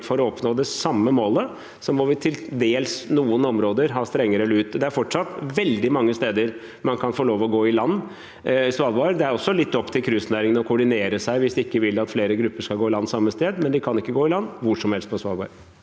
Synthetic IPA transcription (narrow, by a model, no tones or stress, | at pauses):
fɔɾɔɔpnoːd̪ɛsɑmːəmoːlə | sɔmɔʋɪt̪ʰɪld̪eːlsnuːənɔmɾoːd̪əɾɦɑːst̪ɾɛŋːəɾəɛlːəʉːt̪d̪ɛæɾfɔʈʂɑt̪ʋɛld̪ɪmɑŋːəst̪eːd̪əɾ | mɑnkʰɑnfoːɭoːʋɔɡoːɪlɑnː | sʋɑːlʋɑɾd̪ɛæɾɔsːɔlɪt̪ːɔpːt̪ʰɪlkʰɾʉsnæːɾɪŋənɔkʰʊɖɪneːɾəsæɪʋɪsd̪ɪkːəʋɪlːɑt̪fleːɾəɡɾʉpːəʂkɑlɡoːɪlɑnːsɑmːəst̪eːd̪mɛnd̪ɪkʰɑnɪkːəɡoːɪlɑnːʋʊʂɔmhɛlst̪̚pʰɔsʋɑːlʋɑ̰ːɾ